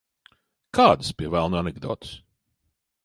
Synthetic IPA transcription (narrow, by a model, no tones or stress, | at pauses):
kʰaːd̪ɨspʲiɛvælˠnuanɛɡd̪ɔ̰ːt̪ɨ̥s